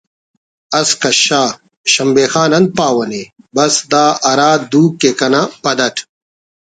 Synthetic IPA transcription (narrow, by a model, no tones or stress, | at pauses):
ɐskɐɕaː | ɕɐmbeːxaːnɐnd̪̚paːwɐnebɐsd̪aːɐɾaːd̪uːkːekɐnapɐd̪ɐʈʰ